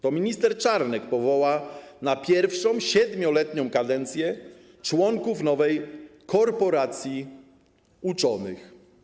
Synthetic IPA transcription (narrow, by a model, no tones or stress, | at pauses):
t̪ɔmʲiɲist̪ɛɾt͡ʂaɾnɛkpɔvɔwanapʲjɛɾfʂɔ̃w̃ɕɛd̪mʲɔlɛt̪ɲɔ̃w̃kad̪ɛnt̪sʲjɛ | t͡ʂwɔŋkufnɔvɛjkʰɔɾpɔɾat̪sʲji | ut͡ʂɔnɘ̰x